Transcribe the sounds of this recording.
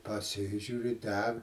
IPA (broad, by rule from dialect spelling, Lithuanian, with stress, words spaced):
pɐˈsʲɪʒʲuːrʲɪ ˈdʲɛk